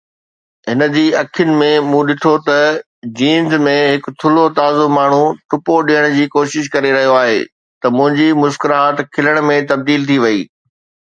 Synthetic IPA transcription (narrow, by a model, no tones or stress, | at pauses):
ɦɪnə̆d͡ʑiːɐkʰjʊnɪ̆mẽmũɗɪʈʰot̪ɐ | d͡ʑĩːnzmẽɦɪkt̪ʰʊlot̪aːzʊmaːɳ̤uʈʊpoɗiːəɽ̃d͡ʑiːkoːʃɪʃ̬kɐɾeɾɐɦijoaːɦeː | t̪ɐmʊ̃ɦɪ̃ɲd͡ʑimʊskɪɾɦaːt̪kʰɪləɽ̃mẽt̪ɐb̚d̪iːlt̪ʰiʋɐiː